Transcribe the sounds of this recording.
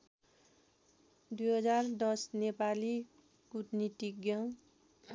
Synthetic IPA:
d̪ujɦʌd͡zard̪ʌsnepali | ɡutniʈiɡjʌŋ

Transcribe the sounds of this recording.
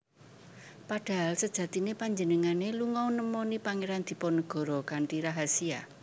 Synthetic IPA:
paɖ̥a̤ɦalsəd̥ʒ̥ä̤t̪inepaɲd͡ʒənəŋaneluŋɔwnəmɔnipaŋeɾand̪̥i̤pɔnəɡ̥ɔ̤ɾɔkaɳʈiɾaɦasia

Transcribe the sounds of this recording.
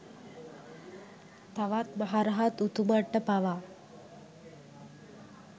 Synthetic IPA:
t̪aʋat̪məɦaɾaɦat̪ut̪uməʈːəpaʋa

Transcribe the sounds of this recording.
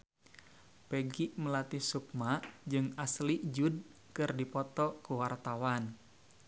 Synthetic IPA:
pɛɡiʔməlat̪ihsuk̚maʔd͡ʒɨŋaslid͡ʒud̚ | kɨrdipɔt̪ɔkuwart̪awan

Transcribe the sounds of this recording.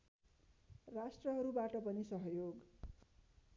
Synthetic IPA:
rasʈrʌɦʌɾubaʈʌpʌnisʌɦjoɡ

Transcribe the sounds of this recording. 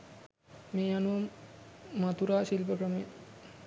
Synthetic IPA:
meːanuʋɐmː | at̪uɾaːʃilpəkɾəme

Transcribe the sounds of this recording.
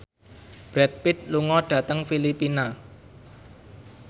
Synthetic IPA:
b̥ɾɛt̪̚pɪt̪̚luŋɔɖ̥ä̤t̪əŋfilipina

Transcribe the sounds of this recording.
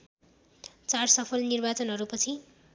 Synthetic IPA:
t͡sarsʌpʰʌlnirbat͡sʌnɦʌɾupʌt͡sʰi

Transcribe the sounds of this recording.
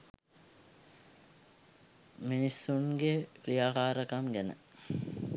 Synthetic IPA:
minisːuŋɡekrijaːkaːɾəkamɡænə̰

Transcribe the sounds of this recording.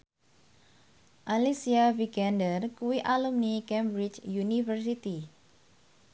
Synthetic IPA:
ʔalisiaviɡandərkuwiʔalumnikɛmbɾit͡ʃjunifərsit̪i

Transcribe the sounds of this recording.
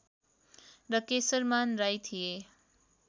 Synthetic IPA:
rʌkesʌɾmanɾajt̪ʰije

